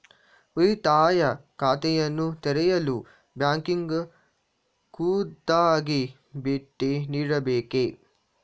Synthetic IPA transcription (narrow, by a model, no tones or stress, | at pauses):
uit̪aːjakaːt̪ejɐnut̪eɾejɐlu | bjaŋkiŋɡə | kuːd̪aːɡe | beʈːeniɾɐbeːke